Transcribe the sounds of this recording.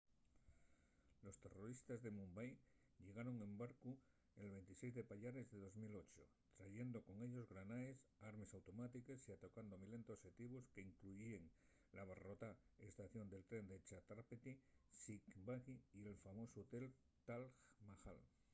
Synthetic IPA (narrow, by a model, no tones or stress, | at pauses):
lo̞st̪e̞ro̞ɾist̪azðe̞mũmbaj | ʎe̞ɣaɾo̞ŋẽ̞mbaɾku | elβe̞nt̪ise̞jzðe̞paʎaɾe̞zðe̞ð̞o̞zmilo̞t͡ʃo | t̪ɾaʝe̞nd̪o̞ko̞ŋe̞ʎo̞zɣɾanaesaɾme̞sawt̪o̞mat̪ikesiat̪okand̪omile̞nt̪oset̪iβoske̞iŋkluieŋ | laβ̞aro̞t̪ae̞st̪aθjo̞nd̪e̞lt̪ɾe̞nd̪et͡ʃat̪ɾapet̪isikbaɣiːe̞lfamo̞soot̪e̞l | t̪alxmaxa̰l